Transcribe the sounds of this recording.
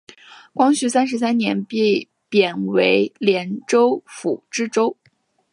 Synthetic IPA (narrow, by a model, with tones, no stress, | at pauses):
kwɑ˥ŋɕy˧˥sa˥nʂ̬ɻ̩˧˥s̬a˥nnjɛ̰˧˥npe˥˩ɪ | pjɛ˨˩nwe˧˥ɪljɛ˧˥nʈ͡ʂo˥ʊfu˨˩ʈ͡ʂɻ̩˥ʈ͡ʂo˥ʊ